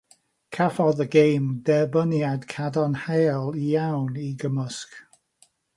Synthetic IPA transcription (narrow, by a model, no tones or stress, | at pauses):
kʰafɔðəɡejmdɛbənjad̥kʰadɔnhelˠijawniɡəməsk